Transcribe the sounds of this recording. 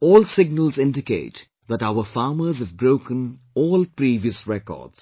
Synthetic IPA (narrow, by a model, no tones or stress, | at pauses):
ɔːlsɪɡnəlzɪ̃ndɪkḛɪʈ | ðæʈaʊəfaːməzhəvbɾoʊkə̃n | ɔːlpɾiːʋiəsɹɛkɔ̰ːds